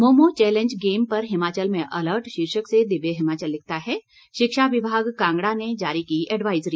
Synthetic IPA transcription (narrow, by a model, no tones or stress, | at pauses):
moːmot͡ʃɛːlẽɲd͡ʒɡeːmpɐɾɦɪmaːt͡ʃəlmẽʔɐləɾʈʃiɾʃəksed̪ɪbeɦɪmaːt͡ʃəlːɪk̚ʰt̪aɦɛ | ʃɪkʃaʋɪbʱaːɡkãːŋɡɽaned͡ʒaːɾikiʔɛɖʋaːɪzɾiː